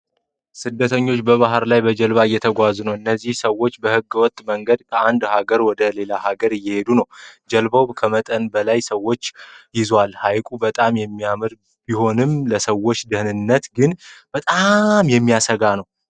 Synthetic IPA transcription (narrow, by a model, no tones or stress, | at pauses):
sɨd̪ːət̪ʰəɲːo̞t͡ʃːbəβaɦɾlajbəd͡ʒəlβajːɛt̪ʰəɡʷaznəwɨnːəzːihsəwːo̞t͡ʃːbəhɨɡːwɔt̪ʼːməŋɡəd̪kʰəand̪haɡəɾwɔd̪əle̞lahaɡəɾɨjːɛhe̞d̪unəwd͡ʒəlbəwkʰəmət̪ʼənbəlajsəwːo̞t͡ʃːjɪzwalhajkʼubət̪ʼamjɛmːijamɨɾ | b̥iho̞nɨmləsəwo̞t͡ʃːd̪ɨhnɨnːət̪ɡɨnb̥ət̪ʼamjɛmːijasəɡanəw